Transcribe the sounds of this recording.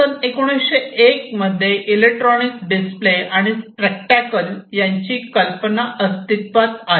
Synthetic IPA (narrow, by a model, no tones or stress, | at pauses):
ənekuɽ̃esɕeek̚məd̪ʱːjeʔilek̚ʈɾɔnikɖispleaɽ̃isʈɾek̚ʈakəljaɲt͡ɕiːkəlpənaʔəst̪it̪ʋat̪a